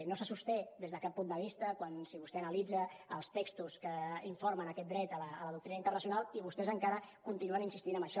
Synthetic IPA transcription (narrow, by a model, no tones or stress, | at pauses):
nosəsust̪ɛðezðəkapːund̪əβist̪əkwansiβust̪eənəlid͡zəə̰lˠst̪ekst̪uskəiɱfoɾmənəkɛt̪̚d̪ɾɛt̪ələələðuk̚t̪ɾinəint̪ərnəsiunalˠiβ̞ust̪ɛzəŋkaɾəkunt̪inuəninsist̪inəmbəʃɔ